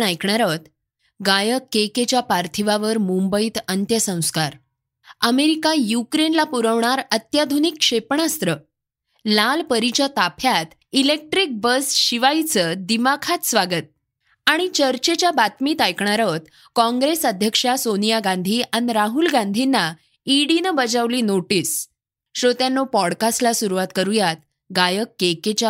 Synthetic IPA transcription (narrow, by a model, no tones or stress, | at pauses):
ajkɳaɾət̪ | ɡajəkːeket͡ɕjapaɾt̪ʰiʋaʋəɾmumbəiːt̪ənt̪jəsə̃w̃skaɾ | əmeɾikajukɾenlapuɾəʋɳaɾət̪jad̪ʱunikʂepɳast̪ɾə | lalpəɾit͡ɕat̪apʰjat̪ | ilek̚ʈɾik̚bəsɕiʋajt͡səd̪imakʰat̪sʋaɡət̪̚ | aɽ̃it͡ɕəɾt͡ɕet͡ɕjabat̪miːt̪ajkɳaɾət̪ | kɔ̃ŋɡɾesəd̪ʱjəkʂasonijaɡand̪ʱiːaniɾaɦulɡãnd̪ʱinːa | iɽinəbəd͡zaʋliːnoʈiːs | ɕot̪janːopɔɽkaslasuɾuʋat̪kəɾujat̪̚ | ɡajəkːeket͡ɕja